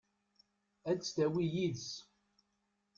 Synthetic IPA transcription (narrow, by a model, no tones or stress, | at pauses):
æd̪t͡sːt̪æwijiðs